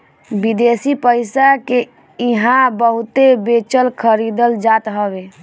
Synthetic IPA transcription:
bid̪esipəɪsake | iɦãbəɦʊt̪ebet͡ʃəlkʰəɾid̪əld͡ʒat̪ɦəbe

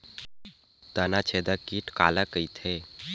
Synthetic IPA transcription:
t̪ənat͡ʃʰed̪əkiʈka̰ləkəjt̪ʰe

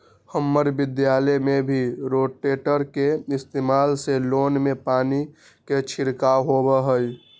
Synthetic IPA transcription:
həmːəɾbɪd̪jaːlemebʱiɾoːʈːeːʈəɾkeɪst̪eːmaːlseloːnmepaːni | ket͡ʃʰɪɾkaɦobəɦəj

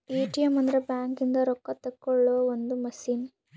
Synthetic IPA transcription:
eːʈijɐmɐnd̪ɐɾɐbjaːŋkind̪ɐɾɔkːɐt̪ːɐkːɔɭːoːond̪umɐsiːn

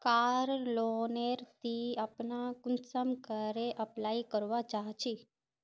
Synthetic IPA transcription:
kaɾloneɾt̪iapnakʊnsəmkəɾeʔəplaikəɾʋad͡ʒaɦt͡ʃʰi

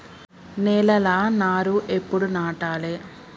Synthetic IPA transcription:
nɛːlɐlaːnaːɾuʔepːuɽunaːʈaːleː

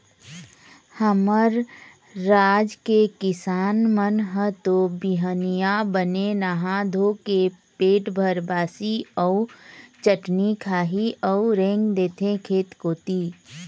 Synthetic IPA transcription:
həməɾː | aːd͡ʒkekɪsaːnmənɦət̪obiɦənijabənenaɦãd̪ʱokepeːʈbʱəɾbaːsiɔːt͡ʃəʈnikʰaːɦiʔɔːʊɾẽːŋɡd̪eːt̪ʰẽkʰeːt̪koːt̪iː

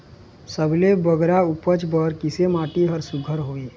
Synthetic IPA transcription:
səblebəɡɾaʊpət͡ʃbəɾkɪsemaːʈiɦəɾsʊɡʱəɾɦoːi

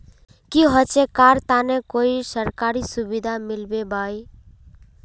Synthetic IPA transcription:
kiɦɔt͡ʃekaːɾt̪anekoisəɾkaːɾisʊbid̪ʱamɪlbebaːj

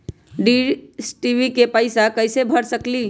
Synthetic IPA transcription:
ɖisʈibikepəɪsakəɪsebʱəɽsəkli

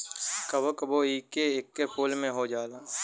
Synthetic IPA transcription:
kɐbokəboiːkeekːepʰoːlmẽɦod͡ʒaːlaː

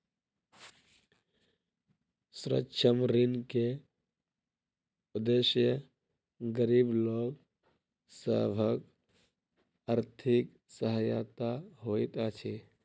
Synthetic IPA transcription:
sɾə̰tːt͡ʃʰəmɾinke | ud̪eʃjə | ɡəɾiːbloːɡ | sə̰bʱək | aɾt̪ʰik | səɦəja̰t̪aɦojt̪at͡ʃʰi

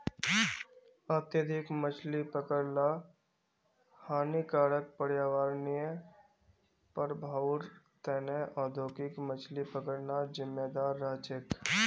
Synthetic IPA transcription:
aːt̪jəd̪ʱɪkmət͡ʃʰlipəkəɽla | haːnikaːɽək̚pəɽjaːʋaːɾnijə | pəɾbʱaːʊɾ | t̪ɛːnəʔɔːd̪ʱoːkɪkmət͡ʃʰlipəkəɽnad͡ʒɪmːed̪aːɾːaːt͡ʃɪk

